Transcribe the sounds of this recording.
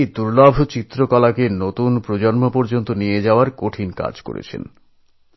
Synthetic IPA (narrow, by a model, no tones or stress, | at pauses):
d̪uɾlabʱot͡ɕit̪ːɾokɔlakenot̪unpɾod͡ʑonmopoɾd͡ʑont̪onijed͡ʑaoaɾkoʈʰinka̰d͡ʑko̰ɾḛt͡ɕʰḛn